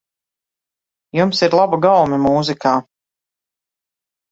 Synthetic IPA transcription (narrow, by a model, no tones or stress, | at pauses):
jumsiɾlˠabaɡawmʲɛmuːzikaː